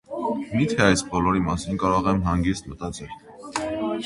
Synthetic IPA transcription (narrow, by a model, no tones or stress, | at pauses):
mit̪ʰɛɑjsbɔlɔɾimɑsinkɑɾɔʁɛmɦɑŋɡist̪mət̪ɑt͡sɛl